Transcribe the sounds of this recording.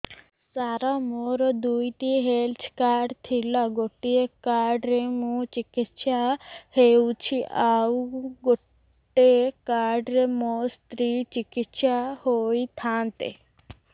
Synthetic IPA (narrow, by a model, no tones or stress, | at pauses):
saɾamoːɾod̪ujt̪iɦeːlt͡ʃʰkaːɖt̪ʰilaɡoʈːiekaːɖɾemũt͡ʃikit̪ʃahewt͡ʃʰiʔaːuɡoʈː | ekaːɖɾemost̪ɾiːt͡ʃikit̪ʃahoːjt̪ʰaːnt̪ḛ